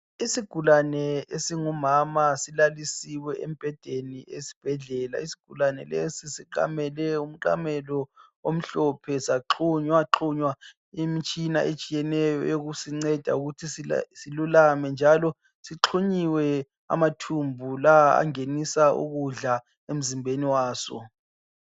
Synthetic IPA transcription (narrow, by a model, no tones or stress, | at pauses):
isiɡ̥ʱulanɛesiŋumamasilalisiwɛʔem̩b̥ʱɛd̥ʱeniesi̥b̥ʱɛɮɛːla̰isi̥ɡ̥ʱulanɛ̰lesisiǁa̰mɛlɛum̩ǃa̰mɛlɔ | om̩ɬɔpʰɛsaǁʰuɲwaǁʰuɲwa | imit͡ʃʼinaʔet͡ʃʼijɛnɛjɔ̰joɣusiŋ͡ǀɛd̥ʱa̰uɣutʰissilulamɛnd͡ʒʱalɔ | siǁʰuɲiwɛ | a̰matʰumbʱulaa̰ŋenisaʔṵɣuɮa | em̩zimbʱeniwaːsɔ̰